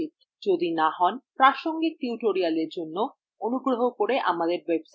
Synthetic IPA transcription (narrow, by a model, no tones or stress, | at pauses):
it̪ | d͡ʑod̪inaɦɔnpɾaʃoŋɡik̚ʈiuʈoɾialeɾd͡ʑonːo | onuɡɾoɦokoɾeʔamad̪eɾwebsa